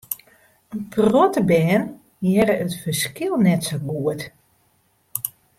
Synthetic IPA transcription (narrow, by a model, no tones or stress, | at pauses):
ənprɔtəbɛːn | jɛɾəətfərskɪlˠnɛtsoɡuət